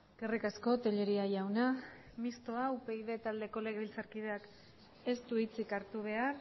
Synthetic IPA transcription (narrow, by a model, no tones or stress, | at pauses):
ɡ̥erikasko̞t̪e̞ʎe̞ɾiajawna | mist̪o̞aupe̞ið̞e̞t̪ald̪e̞ko̞le̞ɣeβilt͡saɾkiðe̞ak | e̞st̪uit͡sikaɾt̪uβe̞ar